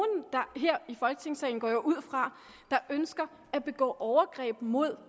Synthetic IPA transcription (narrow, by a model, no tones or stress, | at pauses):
nd̥ɑ̈ɦeɐ̰ifɒ̽lɡ̥ət͡sʰe̝ŋsɛɪn̩ɡ̥ɒ̰ːjo̝ʔuð̞̰ˠfʁɑ̈ | d̥ɑ̈ʔønsɡ̥ɐ | æb̥e̝ɡ̥ɔ̰ːʔɒʊɐɡ̥ʁɛ̰ːb̥mo̝ð̰ˠ